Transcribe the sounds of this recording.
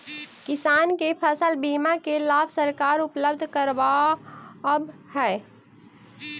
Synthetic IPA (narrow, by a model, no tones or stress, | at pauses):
kɪsaːnkepʰəsəlbiːmakelaːbsəɾkaːɾʊpləbd̪ʱkəɾʋa | əbhɛː